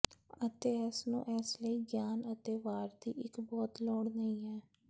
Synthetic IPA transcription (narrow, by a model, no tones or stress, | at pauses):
ət̪eːɛːsnṵ̃ːʔɛːsləiːɡjaːnət̪eːʋaːɾd̪ḭːʔɪkbɔːt̪lɔːɽnəĩːɦɛː